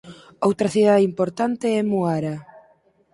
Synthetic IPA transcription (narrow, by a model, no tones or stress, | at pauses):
owt̪ɾɐθiðaðeimpoɾt̪ant̪eɛmuaɾa